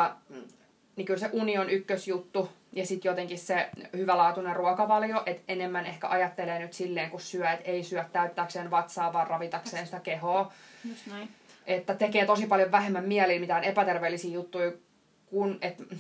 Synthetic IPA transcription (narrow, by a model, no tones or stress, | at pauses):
ɑ | nikylseʔunionykːøsjut̪ːu | jɑsit̪jot̪eŋkissehyʋælɑːt̪uneruɑkɑʋɑljoʔet̪enemːænehkæ̰ʔɑjɑt̪ːeleːnyt̪silːeːŋkussyæet̪eisyæt̪ːæyt̪ːæːkseːnʋɑt̪sɑːʋʋɑːrrɑʋit̪ɑkseːnsi̥t̪ækehoː | ʔet̪ːæt̪ekeːt̪osipɑljoʋʋæɦemːæmmiælilmit̪æonepæt̪erʋeːlːisiːjut̪ːui | kunet̪